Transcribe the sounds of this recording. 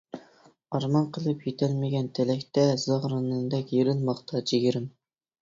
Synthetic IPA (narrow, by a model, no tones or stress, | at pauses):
ɑɾmɑnqʰəlˠɨpjet̪ʰɛlmɪɡʲɛnt̪ʰɛlɛkʲt̪ɛz̥ɑʁɾɨnɨnd̪ɛkʲjeɾɪnmɑχt̪ʰɑt͡ʃʰeɡʲiɾɪm